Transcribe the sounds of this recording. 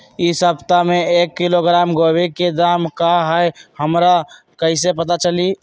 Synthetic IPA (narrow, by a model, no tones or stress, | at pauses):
isəpt̪ameekːiloɡɾamɡoweked̪amkaɦəjhəmɾa | kəisepət̪̬at͡ʃəli